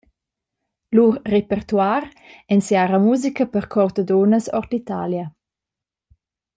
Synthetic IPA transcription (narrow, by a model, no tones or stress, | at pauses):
luʁːepɛrt̪waɾ | ɛnsjaɾamuzikəpəʁkʰɔɾt̪əd̪onəsɔrtit̪a̰ːljə